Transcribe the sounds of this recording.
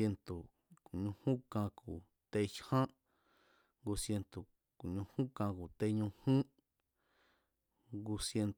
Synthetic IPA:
e˧nt̪o˨ | ku˨ɲũ˧hũ˦kã˧ku˨ | t̪e˧t͡ʃhã˦ | ɡu˧sje˧nt̪o˨ | ku˨ɲũ˧hũ˦kã˧ku˨t̪e˧ɲũ˧hũ˦ | ɡu˧sje˧nt̪

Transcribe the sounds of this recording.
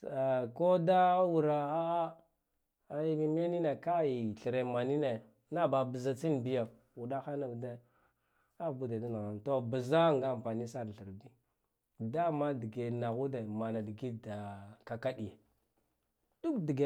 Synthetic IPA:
a˨ko˦da˦wu˨ɾa˨a˦˨˦ | mi˨me˦ni˦ne˨ka˦i˨ɬə˨ɾe˨ma˨ni˦ne˨ | na˦ba˨bə˨za˨t͡si˦nbi˦ja˨ | u˨ɗa˦xa˦na˨da˦ | a˦bu˦da˨da˦na˨ɣa˨nto˦ba˨za˦ŋɡa˦˨m˨pa˨ni˦sa˦ɾɬə˨ɾbi˦ | da˦ma˦di˨ɡe˨na˨ɣu˦de˨ma˨na˨di˨ɡi˦da˨ka˨ka˦ɗi˨je˨ | du˦kdi˨ɡe˨

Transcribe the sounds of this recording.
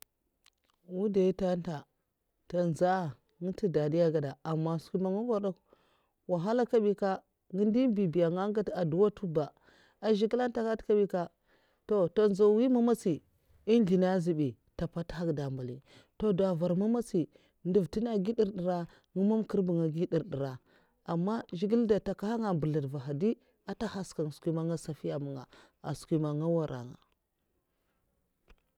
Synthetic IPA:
wu˦da˨i˦ta˦n˦ta˨ | ta˨nza˦˨ | ŋə˦ti˦da˨di˦ja˦ɡa˨da˨a˨mːa˦˨sku˦ma˨ŋu˦va˦da˦k | wa˨ɦa˦la˦ka˦ɓi˦ka˦ | ɡi˦ndi˦bi˨bi˨ja˨ŋa˦ŋ˦ɡa˦ta˨du˨˦wa˦tu˦ba˨ | a˨ʒi˦kla˦n˦ta˦ka˦tka˦ɓi˦ka˦ | to˦to˨nza˨˦wi˦ma˦ma˦si˨ | i˦nɮi˨na˦zi˨bi˨ | ta˨pa˦tha˦kda˨mba˨li˨ | to˨da˨va˨ɾma˦ma˦t͡si˨ | ndu˨vti˦na˦ɡi˦di˦ɾdi˨ɾa˦ | ŋu˦ma˦mki˦ɾbu˨ŋa˨ɡi˦di˨ɾdi˨ɾa˨ | a˨mːa˦ʒi˦ɡi˦lda˨ta˨ka˦ha˦ŋa˨bə˨la˨dva˨ɦa˨di˦ | a˨ta˦ha˦ska˨ŋ˨skʷi˦ma˦ŋa˦sa˨fi˦ja˨mu˨ŋa̰˨ | a̰˨skʷi˨ma˨ŋa˦wa˦ɾʔa̰˨ŋa̰˨

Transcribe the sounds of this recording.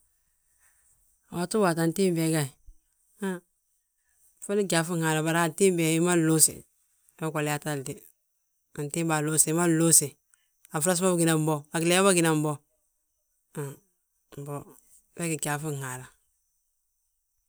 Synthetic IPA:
a˨wa˨tu˦wa˨ta˨n˦ti˦m˦bɛ˨˦ɡa˦˨i˨ | a˦ | fa˦li˦ɡa˨fu˦˨ŋa˨la˨ba˨ɾa˦˨n˨ti˦m˦bɛ˨i˦ma˦lo˦sḭ˨˦ | kʷa˨lɛ˨ja˦ta˦ldi˨ | a˨n˨ti˦ba˨lo˦si˨˦ma˦lo˦si˨ | a˨fɾa˦s̬ma˦ba˨ɡi˨na˨m˦bɔ˦a˨klɛ˨˦ma˦ba˦ɡi˨na˨m̩˦bɔ˦ | a˨ | m˨bɔ˨ | bɛ˦ki˨ɡa˨fu˦˨ha˨ɾa˨

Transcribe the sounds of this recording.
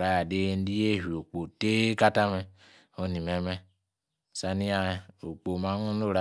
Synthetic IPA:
ɾa˨ja˨de˦n̩˦di˦je˦˨ɦi˨o˨k͡po˨te˦ka˦ta˦mɛ˦ | o˦ni˨me˨mɛ˦˨ | sa˨ni˦a˦˨o˨k͡po˨ma˨˦nu˦o˦˨ɾa˦

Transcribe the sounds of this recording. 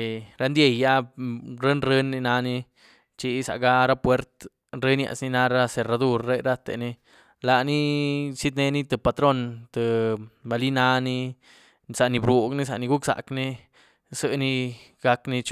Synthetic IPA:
ɾa˧˦nd̪je˧˨ja˦ɾe˦nɾe˧nːi˧na˧ni˧ | t͡ʃi˧˦sa̰˨ʔɡa˧ɾa˦pwe˧ɾt̪ | ɾe˦nja̰˧ʔsni˧na˧ɾa˦se˨ɾa˧d̪u˧ɾːe˦ɾa˦t̪ḛ˨ni˧ | la˨ni˦si˦d̪ne˧ni˦t̪e˨pa˧t̪ɾo˦nt̪ə˨ba˧li˦na˧ni˧ | sa˧ʔni˧bɾu˧ɡni˦s̬a˧ʔni˧ɡu˦ksa̰˨kni˦ | sɨ˧ni˧ | ɡa˧kni˧t͡ʃ

